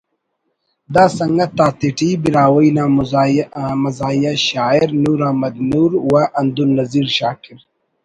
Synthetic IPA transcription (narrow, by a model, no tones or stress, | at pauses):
d̪aːsɐŋɡɐt̪aːt̪iʈibiɾaːwɐinaː | mɐzaːjɐɕaːiɾnuːɾahmɐd̪nuːɾwaʔɐnd̪unːɐziɾɕaːkiɾ